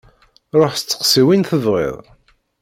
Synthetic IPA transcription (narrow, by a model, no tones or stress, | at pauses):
ɾˤoħst͡sːə̥qsiwinθəðʁḛðˤ